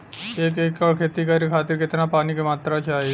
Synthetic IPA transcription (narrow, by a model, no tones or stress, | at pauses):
eːkeːkːɔɽkʰeːt̪ikɐɾikʰaːt̪ɪɾkɪt̪napaːnikemaːt̪ɾat͡ʃʰaːɦe